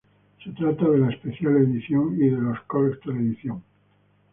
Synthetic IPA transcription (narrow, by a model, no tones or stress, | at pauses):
se̞t̪ɾat̪aðelaespe̞θjaleðiθjoŋiðe̞lo̞skolekst̪eleðiθjoŋ